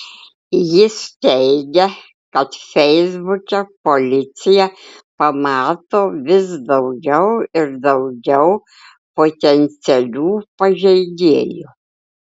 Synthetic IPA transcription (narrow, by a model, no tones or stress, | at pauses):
jɪst̪ʲɛɪɡʲɛ | kɐt̪fʲɛɪzbʊkʲɛpolʲɪt̪sʲɪjɛpɐmɑːt̪oːʋʲɪsd̪ɐʊɡʲɛʊɪɾd̪ɐʊɡʲɛʊ | poːt̪ʲɛnʲsʲɛlʲuːpɐʒʲɛɪɡ̪ʲeːjʊ